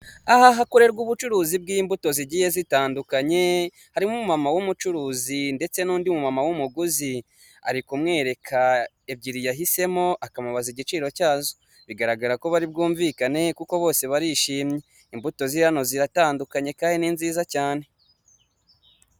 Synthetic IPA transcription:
aɦaɦakoɾe̞ɾɡuβut͡ʃuɾuːzib̚ɡiːmbuto̞ziɟije̞zitaːndukaɲe̞ | haɾimumumamawumut͡ʃuɾuːzinde̞t͡se̞nuːndimumamawumuɡuzi | a̰ɾikumŋe̞ːɾe̞kʰa | eb̚ɟiɾijaɦise̞mo̞ʔakamaβaziɟit͡ʃiːɾo̞caːzo | βiɡaɾaɡaɾako̞βaɾibɡuːɱvikane̞kuko̞βo̞ːse̞βaɾiʃiːmɲe̞ | imbuto̞ziɾano̞ziɾataːndukaɲe̞kaːnininziːzacaːne̞

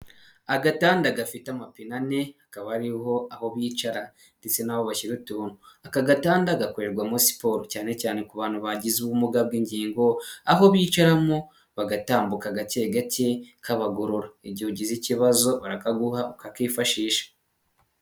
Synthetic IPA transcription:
aɡataːndaɡafitamapinane̞akaβaɾiho̞aho̞βit͡ʃaɾa | ndet͡se̞naβo̞βaçiɾutuːnuakaɡataːndaɡakoɾeɾɡwamosi̥po̞ɾocaːne̞caːne̞kuβaːn̥huβaɟizuβumuɡab̚ɡiɲɟiːŋɡo̞aɦo̞βiːt͡ʃaɾamo | βaɡataːmbukaɡaceɡacekʰaβaɡoɾoɾaiɟihoɟiziciβazo̞βaɾakaɡuhaukakiːfaʃiːʃḁ

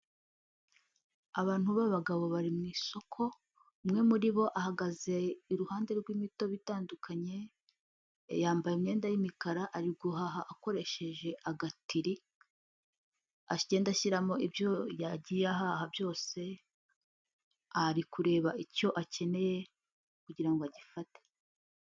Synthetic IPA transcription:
aβaːn̥huβaβaɡaβo̞βaɾimŋiːso̞kʰo̞ | umŋe̞muɾiβo̞ʔahaɡaze̞iɾuhaːnde̞ɾɡwiːmito̞βitaːndukʰaɲe̞ | jaːmbajimɲe̞ːndajimikaɾaʔaɾiɡuɦaɦaʔːko̞ɾe̞ʃe̞ʒe̞ʔaɡatiɾi | aɟe̞ːndaʃiɾamo̞ʔibjo̞jaɟijaɦahabjo̞ːse̞ | aɾikuɾe̞ːβaico̞ʔace̞ne̞je̞ | kuɟiɾaŋɡoaɟifate̥

